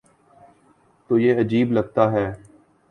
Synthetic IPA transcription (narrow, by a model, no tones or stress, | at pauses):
t̪oːjeːɐd͡ʒiːblɐɡ̚t̪aːɦɛː